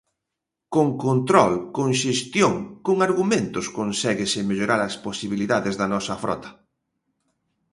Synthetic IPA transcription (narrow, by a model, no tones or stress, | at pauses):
koŋkont̪ɾɔlkoŋʃest̪joŋkoŋaɾɣumẽnt̪ʊskonsɛɣɪsɪmeʎoɾaɾɐsposiβ̞iliðaðezðɐnɔsɐfɾʔɔ̰t̪ɐ̥